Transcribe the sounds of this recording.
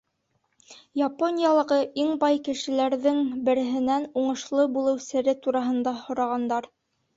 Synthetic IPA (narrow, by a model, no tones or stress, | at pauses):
japonʲjɑlˠɤ̆ʁɤʔiɴbɑjkɘ̆ʃɘ̆læɾðɘŋbɘ̆ɾɘ̆ɦɘ̆nænuɴɤ̆ʃlˠɤbulˠɤwsɘ̆ɾɘt̪uɾɑɦɤ̆nd̪ɑhŏɾɑʁɑnd̪ɑɾ